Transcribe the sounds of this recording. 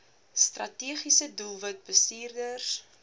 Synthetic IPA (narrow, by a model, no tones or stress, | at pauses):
strɐtiəχisədulˠvət̚bəstiːrdərs